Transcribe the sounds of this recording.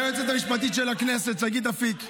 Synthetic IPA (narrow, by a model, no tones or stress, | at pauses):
et͡set̪amiʃbat̪it̪ʃelaknesetaɡid̪afik